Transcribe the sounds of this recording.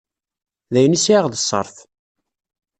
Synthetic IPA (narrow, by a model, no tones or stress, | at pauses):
ðæjənisiʕaʁðəsˤːə̰ɾˤθ